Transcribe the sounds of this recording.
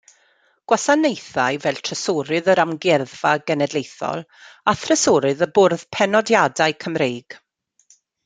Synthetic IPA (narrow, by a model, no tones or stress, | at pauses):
ɡ̥wasanejθajvɛlˠtʰrəsɔɾɨðəɾamɡɛrðv̥aɡɛnɛdlejθɔ̰lˠaθrəsɔɾɨðəbʊrð̥pʰɛnɔdjadaɨkʰəmrejɡ̥